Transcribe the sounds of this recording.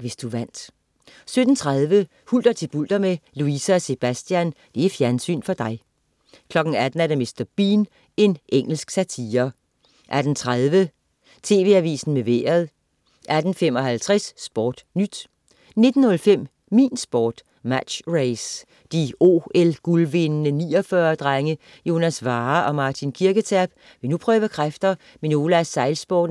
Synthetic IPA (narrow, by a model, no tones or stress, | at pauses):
ʋe̝sd̥uʋæn̰d̥ | sød̥n̩t͡sʰʁaðˠʋə | huld̥ɐt͡sʰe̝b̥ul̰d̥ɐmeluisæɒse̝b̥æsd̥jænd̥e̝æfjæɐnsy̰ːnfɒ̽d̥ɑ̈ɪ | kʰlɒ̽ɡ̥n̩æd̥n̩æɐɾeme̝sd̥ɐb̥iːn | e̝nʔeŋ̰l̩sɡ̥sæt͡sʰiːɐ | ʔæd̥n̩t͡sʰʁað̞ˠʋə | t͡sʰe̝̰ːʋe̝̰ːæʋḭːsn̩meʋḛːɐðˠ | ʔæd̥n̩fem̰ɒ̽hælt͡sʰʁɛsːb̥ɒ̰ːd̥nyd̥ | ne̝d̥n̩hɔ̽lfem̰ | mḭːnsb̥ɒ̰ːd̥ | mæ̥ɕʁeɪs | d̥io̝̰ːelɡ̥ulʋe̝nnəniːɒfɶɐd̥ʁaŋə | jo̝ːnæsʋɑ̈ːʔɒ̽mɑ̈ːt͡sʰinkʰiɐɡ̥ət͡sʰæɐb̥ | ʋe̝nupʰʁœːʊəkʰʁafd̥ɐ | meno̝ːləæɐsɑ̈ɪlsb̥ɒːd